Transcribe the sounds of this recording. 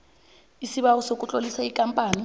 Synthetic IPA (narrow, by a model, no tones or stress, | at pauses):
isiɓawɔsokʼut͡ɬʼolisaikʼampʼaːni